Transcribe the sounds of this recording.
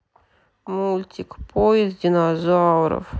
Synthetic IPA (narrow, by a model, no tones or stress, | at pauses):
mulʲt̪ʲikpʰojɪzdʲinɐzaɾɔ̰f